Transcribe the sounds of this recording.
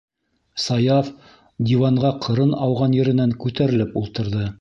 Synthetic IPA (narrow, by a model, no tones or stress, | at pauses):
sɑjɑf | d̪ʲivɑɴʁɑqʰɤ̆ɾɤnɑwʁɑnjɘ̆ɾɘ̆næŋkʉt̪æɾɘ̆lɘpulˠt̪ɤ̆ɾðɤ